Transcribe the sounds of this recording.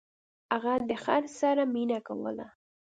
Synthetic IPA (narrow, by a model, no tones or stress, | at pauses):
aɣad̪əxaɾsaɾaminaka̰wə̰la̰